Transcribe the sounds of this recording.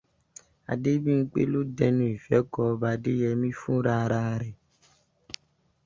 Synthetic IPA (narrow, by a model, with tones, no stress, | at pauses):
a̰˨de˦bĩ˦ŋ̩˦k͡pḛ˦lo˦dɛ˧nũ˦˨i˨fɛ˨˦kɔ˧ba˧de˦jɛ˧mĩ˦fũ˦ɾa˧˦˧ɾa˧ɾɛ˨